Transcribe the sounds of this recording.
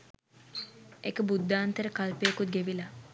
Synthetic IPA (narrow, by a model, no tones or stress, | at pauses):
ekəbud̪ːaːnt̪əɾəkalpeːkut̪̚ɡeʋila